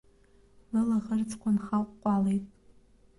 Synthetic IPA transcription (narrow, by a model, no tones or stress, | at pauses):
lɨlaʁərt͡sʰʼkʷʰanχaqʷʼqʷʼɑlejtʼ